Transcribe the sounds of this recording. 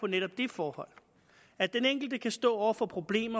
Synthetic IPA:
ɒ̽neɾ̥ɒ̽b̥̚d̥efɒːhɒ̽l̰ | æd̥d̥eneŋ̰ɡ̥l̩d̥əkʰæsd̥ɔ̰ːɒʊ̰ɐfɒ̽pʰʁo̝b̥le̝̰ːmɐ

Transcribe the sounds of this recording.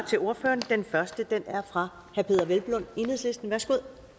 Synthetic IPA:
t͡sʰe̝lo̝ɐføːɐnd̥enfɶɐsd̥əd̥enæɐfʁɑ̈ | hæɐpʰe̝ːðˠɐʋelb̥lɔne̝nheðˠsle̝sd̥n̩ʋæɐsɡ̥uð̰ˠ

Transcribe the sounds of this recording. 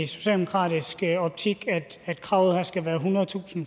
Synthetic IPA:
so̥ɕɛ̰ldemokʰʁɑ̰̈ːdisɡ̥əɒ̽b̥̚t͡sʰiɡ̥æd̥æd̥kʰʁɑ̈ʊð̩ˠhæɐsɡ̥æʋæːɐɦunɐð̩ˠt͡sʰṵːsn̩

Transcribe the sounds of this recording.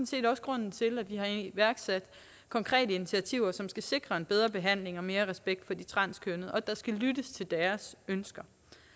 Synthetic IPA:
n̩se̝̰ːdɒ̽sɡ̥ʁɔ̽n̰n̩t͡sʰe̝lædʋiɦɑ̈ʋæɐɡ̥sæd̥ | kʰɒ̽ŋkʰʁɛ̰ːdəinit͡sʰiæt͡sʰiʊ̰ɐsɒ̽msɡ̥æse̝ɡ̥ʁɐe̝nb̥eð̞ˠʁɐb̥e̝ɦæn̰le̝ŋɒ̽me̝ːɐʁɛsb̥eɡ̥̚d̥fɒ̽d̥it͡sʰʁɑ̈n̰skʰønəʔɒ̽d̥ɑ̈sɡ̥ælydəst͡sʰe̝ld̥æɐsønsɡ̥ɐ

